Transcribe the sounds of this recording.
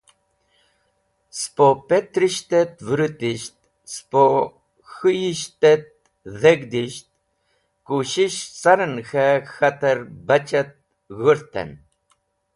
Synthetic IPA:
spopet̪ɾiʃt̪et̪vɾut̪iʃt̪̚ | spo | xɨjiʃt̪et̪̚ | ðeɡd̪iʃt̪̚ | kuʃiʃsaɾənxɛxat̪aɾbat͡ʃat̪̚ | ɣəɾt̪ɛ̰n

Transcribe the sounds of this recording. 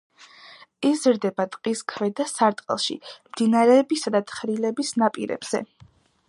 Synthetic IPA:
izɾd̪ɛbat̪ʼqʼiskʰvɛd̪asaɾt̪ʼqʼɛ̰lˠʃḭmd̪̥inaɾɛːbisad̪at̪ʰχɾilɛbisnapʼḭɾɛ̰bz̥ɛ̰

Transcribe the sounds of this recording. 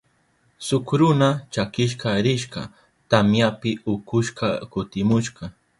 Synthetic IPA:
sʊkɾʊnat͡ʃakɪʃ̬qɑɾɪʃqɑ̰ | t̪amjapɪʊkʊʃqɑkʊt̪ɪmʊʃqɑ

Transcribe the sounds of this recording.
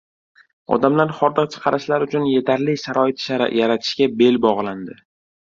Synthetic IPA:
ɒ̰d̪amlaɾχɒɾd̪ɨqt͡ʃʰɨ̥qʰɑɾɪʃlaɾʊt͡ʃʰʊnje̞t̪ʰaɾliʃaɾɒɪt̪ʃaɾ̰jaɾat̪ʰɪ̥ʃkʲabe̞lbɒʁlˠand̪ɪ

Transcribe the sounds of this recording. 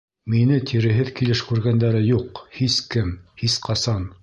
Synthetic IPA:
minɘt̪ʰiɾɘ̆ɦɘðkilɘʃkʉɾɡænd̪æɾɘjuqhiskɘmhisqɑsɑn

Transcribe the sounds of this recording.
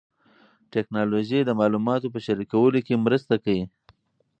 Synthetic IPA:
ʈeknɑloʒid̪əmɑlumɑt̪opəʃaɾikawəlokemɾəst̪akawi

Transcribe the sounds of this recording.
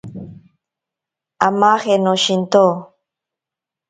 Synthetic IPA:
amaːχenoʃint̪o

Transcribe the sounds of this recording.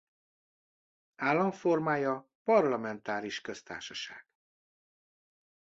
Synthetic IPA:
aːlːɒɱfo̞rmaːjɒ | pɒrlɒmɛnt̪aːɾiʃkø̞st̪a̰ːʃɒʃa̰ːɡ̥

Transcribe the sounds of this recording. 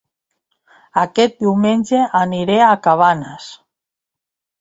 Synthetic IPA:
akɛt̪̚d̪iwmenʲd͡ʒeʔaniɾeakaβ̞anas

